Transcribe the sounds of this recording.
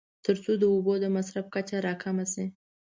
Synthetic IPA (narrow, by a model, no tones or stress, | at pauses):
t̪əɾt͡sod̪əobod̪əmasɾafkat͡ʃaɾɑkʰamasi